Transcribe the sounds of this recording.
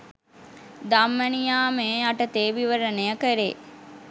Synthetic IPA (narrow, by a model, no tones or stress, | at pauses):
d̪amːənijaːmeːaʈət̪eːʋiʋəɾənejəkəɾḛː